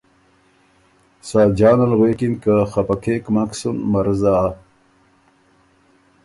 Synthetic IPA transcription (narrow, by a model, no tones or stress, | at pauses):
saːd͡ʑaːnɐlɣweːkinkaxapakʰekmaksunmɐɾza